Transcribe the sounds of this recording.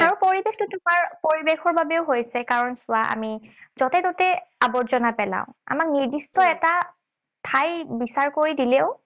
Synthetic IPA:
aɹupoɹibextʊtʊmaɹpoɹibexɔɹbabɛʊɦojsɛkaɹɔnsʊaʔa̰mizɔtɛtɔtɛabɔɹzɔnapɛla̰ʊ̃a̰mak̚niɹdistɔɛta | tʰajbisaɹkoɹidilɛʊ

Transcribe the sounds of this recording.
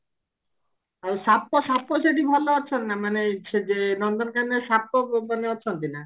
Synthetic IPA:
aɾʃapːoʃapːoʃeʈibʱɔloɔt͡ʃʰɔnnamaneʃed͡ʒenɔnd̪ɔnkanesapːomaneɔt͡ʃʰɔnt̪ina

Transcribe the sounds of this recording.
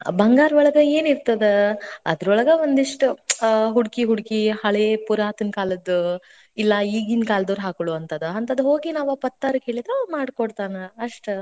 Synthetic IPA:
bʱɐŋɡaːɾɔɭɐɡɐeːniɾt̪ɐd̪eɐ̰d̪ɾɔɭɐɡɐond̪iʂʈuɦuɽkiɦuɽkihɐɭepuɾaːt̪ɐnkaːlɐd̪ːu | ilːɐiːɡinkaːlɐd̪oːɾɦaːkoɭuɐnt̪ɐd̪uɦɐnt̪ɐd̪uɦo̞ːɡinaːʋapɐt̪ːaːɾɐke̞ːɭid̪ɾomaːɖkoɽt̪aːnɐɐʂʈ

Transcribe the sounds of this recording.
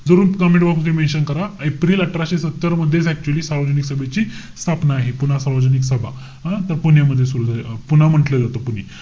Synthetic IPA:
d͡zəɾuːnkəmẽʈbakʰukemẽɕənkəɾaepɾiːləʈɾaɕesət̪ːəɾməd̪ʱːjet͡sɛk̚t͡ɕuəliːsaɾʋəd͡ʑəniksəbʱet͡ɕiː | st̪ʰapnaːɦepun̤asaɾʋəd͡zəniksəbʱa̰ | ɦãt̪əɾpunjaməd̪ʱːjesuɾuːd͡zapunam̤əʈləd͡zat̪opun̤iː

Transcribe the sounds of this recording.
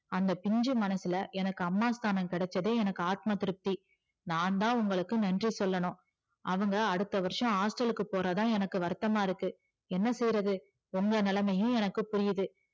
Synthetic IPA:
ɐnd̪ɐpɪɲd͡ʒɯmɐnɐsɪlɐʔɛnɐkːɯɐmːaːst̪ʰaːnɐmkɪɽɛt͡ʃːɐðeːɛnɐkːɯaːt̪̚mat̪ɪɾɯp̚t̪i | naːnt̪ãːʊŋɡɐɭɯkːɯnɐndrisɔlːɐnʊ̃ | ɐʋɐŋɡɐːɽɯt̪ːɐʋɐɾɪʂɐ̃aːsʈɐlɯkːɯpoːɾɐt̪ãːɛnɐkːɯʋɐɾt̪ːɐmaːɪɾɯkːɯ | ɛnːɐsɛjɾɐðɯ | ʊŋɡɐnɪlɐmɐjɯ̃ɛnɐkːɯpʊɾɪjɐðɯ

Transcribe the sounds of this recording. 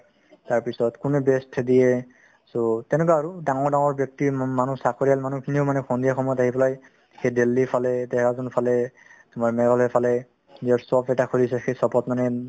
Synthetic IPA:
taɹpisɔtkunɛbɛstʰɛdijɛ | sotɛnɛkaːɹudaŋɔɹdaŋɔɹbjɔk̚timanusakʰoɹijalmanukʰinioʊmanɛxʰɔndijaxɔmɔjɔtaɦipɔlaj | xejdelːipʰalɛdɛhkazɔnpʰalɛ | tʊmaɹmɛɡɔlɦɛpʰalɛ | ziaɹsɔbɛtakʰolisɛxejsɔpɔtmanɛ

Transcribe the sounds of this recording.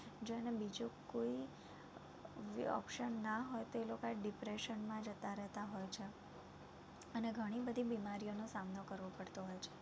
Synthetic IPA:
d͡ʒoənebid͡ʒũkoi | ɔ̰pʃənːaɦɔjt̪oelokaɖipɾeʃənmãd͡ʒət̪aɾɛɦt̪aɦojt͡ʃʰe | əneɡʱəɽ̃ibəd̪ʱibimaɾijonosamnokəɾʋopəɽt̪oɦɔjt͡ʃʰe̥

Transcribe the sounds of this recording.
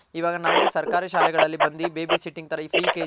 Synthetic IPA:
iʋaːɡɐnaːʋusɐɾkaːɾiʃaːlɛɡɐɭɐlːibɐnd̪ibeːbiːsiʈːiŋɡ̚t̪ɐɾɐiːpʰɾiːkeː

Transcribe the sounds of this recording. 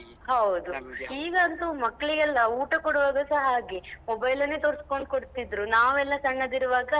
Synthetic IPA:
hɐwd̪uiːɡɐːnt̪umɐkːɐɭiɡɛlːɐuːʈɐkɔɽuʋaːɡɐsɐɦɐaːɡimobɐjlɐnːet̪oːɾiskoɳɖ̚koɽt̪id̪ɾunaːʋɛlːɐsɐɳːɐd̪iɾuʋaːɡɐ

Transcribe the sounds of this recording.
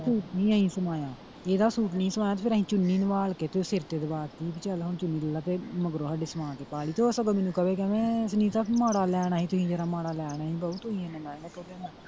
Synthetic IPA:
suːʈnĩːəĩːsəmaːjaː | eːd̪aːsuːʈniĩsəmaːjaːt̪eːpʰɪɾəɦĩːt͡ʃʊnːiːnəʋaːlkeːt̪esɪɾt̪eːd̪baːɾt̪iːbɪt͡ʃəlɦʊnt͡ʃʊnːiːləlːaːt̪eːməɡɾoːɦaɖɪːsəmãːt̪eːpaːliːt̪oːəsəɡəmĩːnũːkəʋeːk̬ɛːʋẽːsnĩːt̪amaːɽaːlɛːɽ̃aːɦiːt̪ʊsĩːd͡ʒeːɾaːmaːɽaːlɛːɽ̃aːɦiːbəut̪ʊsĩːẽːnəmãːɡaːt̪oːɛːaː

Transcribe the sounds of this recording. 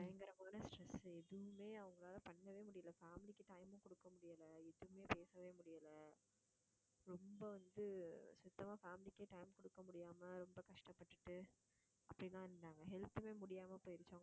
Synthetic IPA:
pɐjɐŋɡɐɾɐmaːnɐsʈɾɛsɛðɯʋɯmeːɐʋɐŋɡɐɭaːlɐpɐɳːɐʋeːmʊɽɪjɐlɐfaːmɪlɪkːɯʈɐɪmʊ̃kɔɽɯkːɐmʊɽɪjɐlɐɛðɯʋmeːpeːsɐʋeːmʊɽɪjaːlɐ | ɾɔmbɐʋɐnd̪ɯsʊt̪ːɐmaːfaːmɪlɪkːeːʈɐɪmkɔɽɯkːɐmʊɽɪjaːmɐɾɔmbɐkɐʂʈɐpːɐʈːɯʈːɯ | ʔɐpːɐɽɪnãːɪɾɯnɖaːŋɡɐɦɛlt̪ːɯmeːmʊɽɪjaːmɐpoːjɪɾɪt͡ʃːoːŋɡɐ

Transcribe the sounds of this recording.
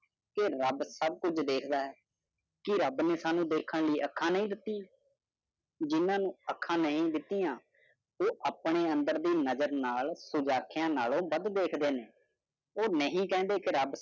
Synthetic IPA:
kɪɾəbsəb̚kʊd͡ʒd̪eːkʰd̪aːɦɛː | kɪɾəbneːsaːnũːd̪eːkʰəɳləiːʔəkʰːãːnəɦĩːd̪ɪt̪ːĩː | d͡ʒɪnãːnũːəkʰːãːnəɦĩːd̪ɪt̪ːiːãː | oːʔaːpɳeːənd̪əɾd̪iːnəzəɾnaːlsʊd͡ʒaːkʰɪjãːnaːlõːbəd̪d̪eːkʰd̪eːneː | oːnəɦĩːkɛ̃ːnd̪eːkɪɾəb

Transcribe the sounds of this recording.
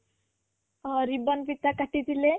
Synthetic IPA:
ɾibənpit̪akaʈid̪ile

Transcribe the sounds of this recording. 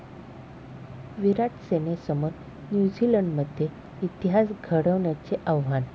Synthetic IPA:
ʋiɾaʈsenesəmoɾ | njud͡ʑiləɳɖməd̪ʱje | it̪iɦasɡʱəɽəʋɳjat͡seʔaʋɦan

